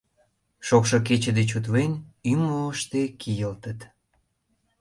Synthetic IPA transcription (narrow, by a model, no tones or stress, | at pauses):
ʃokʃok̬et͡ɕəd̪et͡ɕut̪βenʲymoəʃt̪ekʰijəlt̪ət̪